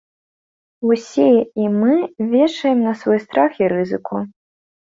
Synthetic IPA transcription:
usʲiɛimɨvʲɛʂɐjɛmnɐsvɔjst̪ɾaxiɾɨzɨkʰu

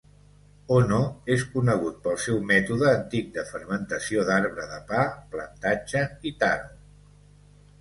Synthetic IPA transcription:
onoeskunəɣ̞ut̪̚pəlˠsɛwmɛt̪uðəːnt̪ik̚d̪əfəɾmənt̪əsioðaɾβɾəðəpaplə̰nt̪ad͡ʒəit̪ar

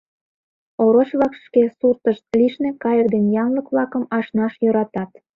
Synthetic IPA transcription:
oɾot͡ɕβlɑkʃkesurt̪əʃt̪̚liʃnekɑjək̚d̪enjɑnləkβlɑkəmɑʃnɑʃjøɾɑt̪ɑt̪

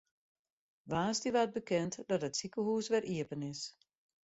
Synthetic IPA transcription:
ʋaːstiʋaːt̚bəkɛntdɔtətsikəhuːsʋɛrʔiəpənɪs

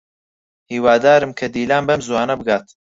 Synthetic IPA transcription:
hiːwaːd̪aːɾɨmkʰɐd̪iːlaːmbɐmzuwaːnɐbɨɡaːt̪

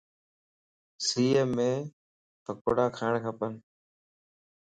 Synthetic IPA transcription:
siːemẽː | pək̚oɽaːkʰaːɪɳkʰəpən

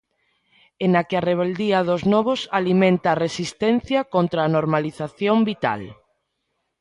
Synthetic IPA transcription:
enakeareβ̞eld̪iɐðoznɔβ̞osalimẽnt̪aːresist̪en̟θjakont̪ɾaːnoɾmaliθaθjombit̪a̰l

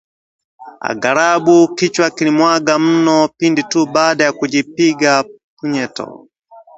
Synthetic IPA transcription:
a̰ɡaɾaɓukit͡ʃwakilimwaɡam̩nɔpinditubaːɗajakud͡ʒip̚iɡa | puɲɛtɔ̰

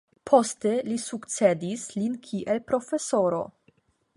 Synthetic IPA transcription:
pʰo̞ste̞lisukt͡se̞d̪islinkʰiʔelpɾo̞fe̞so̞ɾo̰

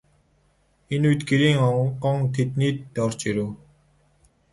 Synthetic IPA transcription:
enujt̪ɡeɾiːŋɔɴɢɔŋt̪ʰet̪niːt̪ːɔrt͡ɕeɾuː

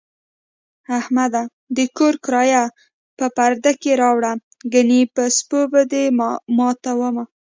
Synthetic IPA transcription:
ahmad̪a | d̪əkoɾkɾɑja | pəpaɾd̪akeɾɑwɽa | ɡanipəspobəd̪emɑt̪awəma

